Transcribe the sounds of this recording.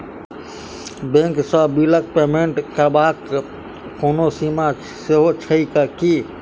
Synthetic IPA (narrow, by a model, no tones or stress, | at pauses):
bẽŋksəbilək̚peːmeɳʈkəɾbaːk | koːnosima | seɦot͡ʃʰəikəki